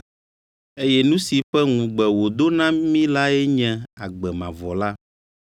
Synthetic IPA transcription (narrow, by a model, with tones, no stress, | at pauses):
e˦jɛ˦nũ˦si˨ɸɛ˦ŋũ˨ɡ͡bɛ˨wo˨d̪o˦nã˦mĩ˦la˦e˦ɲɛ̃˨a˨ɡ͡bɛ˨mã˨vɔ˨la˦